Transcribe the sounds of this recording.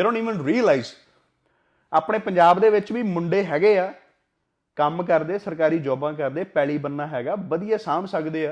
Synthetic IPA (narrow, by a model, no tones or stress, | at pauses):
ɾõːniːʋənɾiːəlaiz | aːpɳeːpəɲd͡ʒaːbd̪eːʋɪt͡ʃʋiːmʊɳɖeːɦɛːɡeːaː | kəmkəɾd̪eːsəɾkaːɾiːd͡ʒɔːbãːkəɾd̪eːpɛːliːbənːaːɦɛːɡaːbəd̪ijaːsaːmsəkd̪eːaː